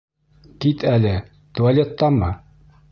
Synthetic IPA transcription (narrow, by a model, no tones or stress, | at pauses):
k̪it̪ælɘ | t̪ualʲet̪ːɑmɤ